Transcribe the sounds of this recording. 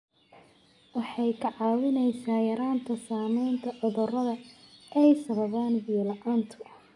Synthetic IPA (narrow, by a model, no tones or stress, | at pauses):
wɑħɑjkʰɐʕɑːwɪnɛjsaːjɐɾaːnt̪ʰɐsaːmɛjnt̪ʰɐʔɔðɔrɐðɐʔɛjsɐβɐβaːnbilɐʔaːnt̪ʰʊ